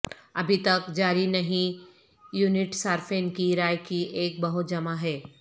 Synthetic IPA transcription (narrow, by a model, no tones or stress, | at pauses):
ɐbʱit̪ɐkd͡ʒaːɾinɐɦĩ | juːnɪʈsaːɾfẽːnkiɾaːjkiʔeːk̚bɐɦʊt̪̚d͡ʒɐmaɦɛː